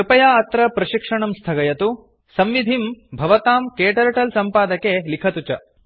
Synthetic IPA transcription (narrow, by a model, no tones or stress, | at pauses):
pɐjaːɐt̪ɾɐpɾɐʃikʂɐɳɐmst̪ʰɐɡɐjɐt̪u | sɐmʋid̪ʱimbʱɐʋɐt̪aːmkeːʈɐɾʈɐlsɐmpaːd̪ɐkelikʰɐt̪ut͡ʃɐ